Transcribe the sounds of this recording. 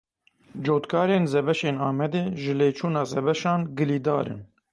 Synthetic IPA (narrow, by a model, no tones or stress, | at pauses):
d͡ʒoːt̪kʰɑːɾeːnzɛbɛʃeːnɑːmɛd̪eːʒɨleːt͡ʃʰuːnɑːzɛbɛʃɑːnɡɨliːd̪ɑ̰ːɾɨ̰n